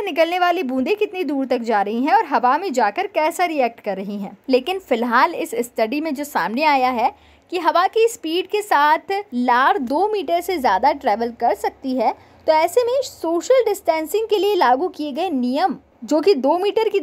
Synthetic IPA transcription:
nɪkəlneʋaːlibũːd̪ekɪt̪nid̪uːɾt̪ɐk̚d͡ʒaːɾɐɦiɦɛ̃ɔːɾɦɐʋamẽd͡ʒaːkəɾkɛːsaɾiɛːk̚ʈkɐɾːɐɦiɦɛ̃ːleːkɪnfɪlɦaːlɪsɪsʈɐɖimẽd͡ʒoːsa̰ːmneaːjaɦɛ | kiɦɐʋakispiːɖkesaːt̪ʰlaːɾd̪oːmiːʈəɾsezjaːd̪aʈɾɛːʋəlkɐɾsɐk̚t̪iɦɛː | t̪oɛːsemẽsoːʃəlɖɪsʈɛ̃ːnsɪ̃ŋɡ̚kelielaːɡukieɡɐenijəm | d͡ʒoːkid̪oːmiːʈəɾki

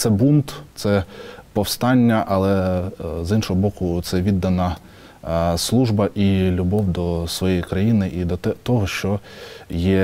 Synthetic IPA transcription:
t̪sɛbunt̪t̪sɛpɔwst̪ɑnʲːɐʔɐlˠɛzinʃɔɦɔbɔkʊt̪sɛʋʲid̪ːɐnɐ | slˠuʒbɐʔilʲʊbɔwd̪ɔsʋɔjɛjikɾɐjinɪʔid̪ɔɛt̪ɔɦɔʃt͡ʃɔjɛ

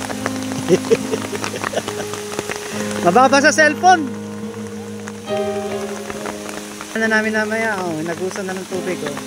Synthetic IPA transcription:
mɐbabas̬ɐsɛlfon | nɐnaːmɪnɐmɐjaʔonɐɡuːsɐnɐnɐŋt̪uːbɪɡo

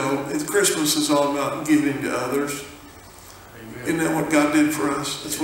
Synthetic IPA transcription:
oʊɨfkʰɹ̥ɪsməsɨzɔlˠəbaʊt̚ɡ̥ɪvɪ̃ŋtɨ̰ʌðə˞z̥ | ɨ̃nðæt̚wʌt̚ɡ̥ɑdɨd̥fə˞ʌsðæts

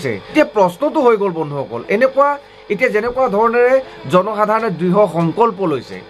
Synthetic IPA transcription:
sɛ̰etijapɹɔsnɔtʊɦojɡolbɔndʱuɦɔkɔ̰lɛnɛkʊwa | etijazɛnɛkuwadʱɔɹɔnɛɹɛ | zɔnɔxadʱaɹɔnɛdɹiɦɔxɔŋkɔlpɔlojsɛ̰

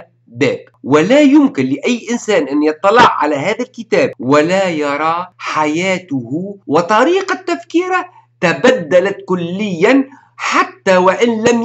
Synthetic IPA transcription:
ba̰ːb | wɪlajʊmkɪnlɪʔajːʔɪnsaːnʔanːjɨt̪ˤːɑlɪʕʕa̰laɦaːðalkɪt̪aːb̚wɪlajɑɾˤɑːħajaːt̪ʊhwɪt̪ˤɑɾiːqat̪ːafkiːɾa | t̪abad̪ːalat̪kʊlːɪjːan | ħat̪ːawɪʔɪnlam

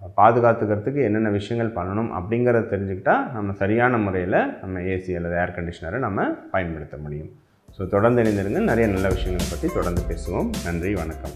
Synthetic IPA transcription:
paːðɯɣaːt̪ːɯɣɯɾɐt̪ːɯkːɯɛnːɐnːɐʋɪʂɐjɐŋɡɐɭpɐnːɐɳɯmʔɐ̰pːɐɽɪŋɡɯɾɐðɯt̪ɛɾɪɲd͡ʒɯkːɪʈːaːnɐmːɐsɐɾɪjaːnɐmʊɾɐjɪlɐnɐmːɐeːsiɐlːɐðɯaːɾkɐɳɖɪʂɐnɐɾɐnɐmːɐpɐjɐnpɐɽɯt̪ːɐmʊɽɪjɯm | soːt̪ɔɽɐɾnd̪ɯɛnɪnd̪ɯɾɯŋɡɐnɛɾɐjɐnɐlːɐʋɪʂɐjɐŋɡɐɭɐpːɐt̪rit̪ɔɽɐɾnd̪ɯpeːsɯʋomnɐndriʋɐɳɐkːɐm

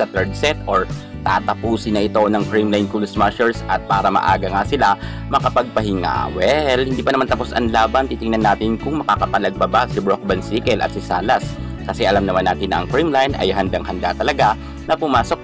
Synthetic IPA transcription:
ɐt̪ɛɹd̪̚sɛt̪ʔoɹ | t̪a̰ːt̪ɐpuːsɪnːɐʔɪt̪o̞nɐŋkɹimlajnkulsmaʃɛɹsʔɐt̪̚paːɾɐmɐ̰ʔa̰ːɡɐŋasɪlamɐkɐpɐɡ̚pɐɦɪŋa̰wɛlhɪnd̪iːpɐnɐmant̪ɐpo̞sɐ̰nlaːbɐnt̪iːt̪ɪŋnɐnːaːt̪ɪnkʊŋmɐkakɐpɐlɐɡ̚bɐbasɪbɹok̚bɐnsiːkɛlʔɐ̰t̪̚sɪsaːlɐs | kɐsɛʔɐlamnɐmanːaːt̪ɪnɐʔɐ̰ŋfɹimlajnʔɐ̰jɦɐnd̪aŋhɐnd̪a̰t̪ɐlɐɡa | nɐpʊmaːsok̚

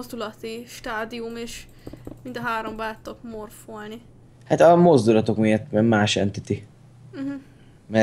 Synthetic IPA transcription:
ozd̪ulɒt̪iʃt̪aːd̪iumeːʃ | mint̪ɒɦaːɾo̞mbaːt̪ːokmorfolni | hat̪ɒmo̞zd̪ulɒt̪o̞kmijɒt̪bɛmaːʃɛ̰nt̪it̪i | ɦ̩ | mɛ

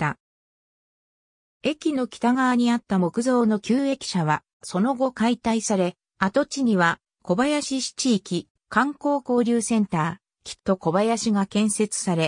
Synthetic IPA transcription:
t̪a | e̞kʲino̞kʲi̥t̪aɡaβaɲ̟iat̪ːamo̞kɯ̟zo̞ːno̞kʲɨːe̞kʲi̥ɕaβa | so̞no̞ɡo̞kait̪aisaɾe̞ | at̪o̞t͡ɕiɲ̟iβa | ko̞bajaɕiɕi̥t͡ɕiːkʲi | kãŋko̞ːko̞ːɾʲɨːsẽ̞nt̪aː | kʲʰi̥t̪ːo̞ko̞bajaɕiɡakẽ̞ɰ̃se̞t͡sɨ̥saɾe̞

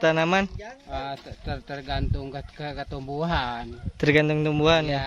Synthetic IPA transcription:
t̪anamanət̪ərt̪ərɡant̪ʊŋkkəkət̪umbuɦant̪ərɡant̪ʊŋkt̪umbuɦanja

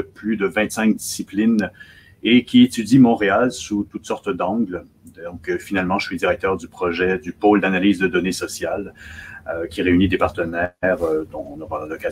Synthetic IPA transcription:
əplyd̪əvɛ̃t̪sɛ̃k̚d̪isiplin | ekʲiet̪yd̪imɔ̃ʁealsut̪ut̪sɔʁt̪d̪ɑ̃ɡl | ɔ̃kfinalmɑ̃ʒəsɥid̪iʁɛk̚t̪œʁd̪ypχɔʒɛd̪ypold̪analiːzd̪əd̪ɔnesɔsjaløkʲiʁeynid̪epaʁt̪ənɛʁød̪ɔ̃nɔpalad̪ɔka

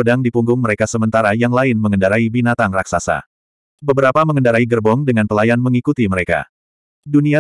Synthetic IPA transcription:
ədaŋdipuŋɡʊŋməɾekasəmənt̪aɾajaŋlaɪnməŋəndaɾaibinat̪aŋrak̚sasa̰ | bəbəɾapaməŋəndaɾaiɡərbɔŋdəŋanpəlajanməŋikut̪iməɾeka̰ | dunia

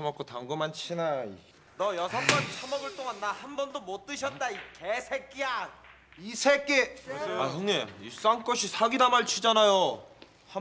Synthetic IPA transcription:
amʌk͈otaŋɡɯmant͡ɕʰinaḭ | nʌjʌsʰʌŋk͈ant͡ɕʰamʌɡɯɭt͈oŋanːahambʌndomot͈ɯɕʰʌt̚t͈aikesʰek͈ija | isʰek͈eahɯŋeis͈aŋk͈ʌɕʰisʰaɡidamaɭt͡ɕʰud͡ʑanajo | a

